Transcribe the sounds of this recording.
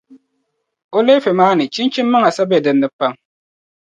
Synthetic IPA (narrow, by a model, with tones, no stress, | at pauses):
o˦le˦fɪ˨maː˦nɨ˨t͡ʃi˦nt͡ʃi˦mːɨ˦ŋa˨sa˦bɛ˨dɨ˨nːɨ˨˦pa˦m